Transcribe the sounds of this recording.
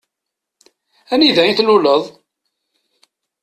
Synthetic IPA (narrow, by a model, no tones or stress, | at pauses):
æniðæiθluləðˤ